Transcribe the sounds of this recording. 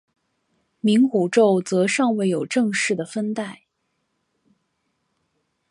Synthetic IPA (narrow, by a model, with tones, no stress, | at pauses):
mi˧˥ŋku˨˩ʈ͡ʂo˥˩ʊt͡sɤ˧˥ʂɑ˥˧ŋwe˥˩ɪjo˨˩ʊʈ͡ʂɤ˥˧ŋʂɻ̩˥˩d̪ə˩fə˥nt̪a˥˩ɪ